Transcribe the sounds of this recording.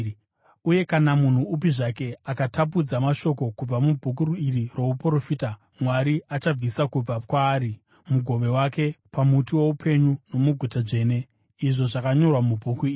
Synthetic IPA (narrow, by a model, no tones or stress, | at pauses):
uje̞kanamun̤uupiʐake̞akatʰap̬ud͡zamaʃo̞ko̞kub͡vamubʱuk̬uɾuiriro̞upoɾofiːta | mwaɾiat͡ʃab͡visakub͡vakwaːɾi | muɡʱo̞ʋe̞wake̞pʰamutiwo̞upʰe̞ɲuno̞muɡʱutaʐe̞ːne̞ | iʐo̞ʐakaɲo̞rwamubʱukuiːri